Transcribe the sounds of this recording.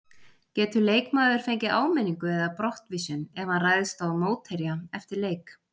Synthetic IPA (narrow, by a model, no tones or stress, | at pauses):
cɛːt̪ʏleːjkmaːðʏɾ̥fejɲcɪʔaːwmɛnːiŋkʏɛðapɾɔht̪vɪsʏnɛvaraːjðɪst̪awmoːwt̪hɛɾjaɛft̪ɪɾleːjk